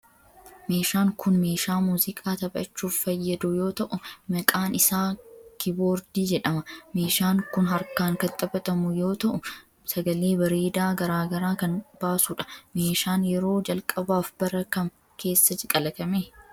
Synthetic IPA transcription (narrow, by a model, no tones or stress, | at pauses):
me̞ːʃaːŋkʊnme̞ːʃaːmuːzɪkʼaːt̪ɐbʼɐ̰t͡ʃːuːfːɐjːɐd̪ʊjo̞ːt̪ɐʔʊmɐkʼaːnɪsaːkɪboːɾd̪iːd͡ʒɛᶑɐmɐme̞ːʃaːŋkʊnɦɐɾkaːŋkɐt̪ʼɐbɐt̪ʼɐmʊjo̞ːt̪ɐʔʊ | sɐɡɐleːbɐɾeːd̪aːɡɐɾaːɡɐɾaːkɐnb̥aːsʊᶑɐ̥meːʃaːnjɛɾo̞ːd͡ʒɐlkʼɐbaːfb̥ɐɾɐkɐŋ | kʰe̞ːsːɐt͡ʃɪkʼɐlɐk̪ɐmeː